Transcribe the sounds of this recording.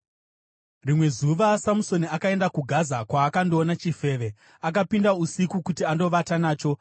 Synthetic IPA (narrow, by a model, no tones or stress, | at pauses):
rimwe̞zuʋasamuso̞niakae̞ndakuɡʱazakwaːkando̞ːnat͡ʃife̞ːʋe̞ | ak̬apindausikukutiando̞ʋatanaːt͡ʃo̞